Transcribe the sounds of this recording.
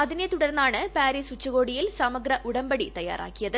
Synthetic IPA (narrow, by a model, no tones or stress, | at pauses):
ɐðinet̪uɽɐrnːaːɳɨpaːɾiːsut͡ɕːɐɣo̞ːɽijilsɐmɐɡɾɐʔuɽɐmbɐɽit̪ɐjːa̰ːɾa̰ːkːijɐðɨ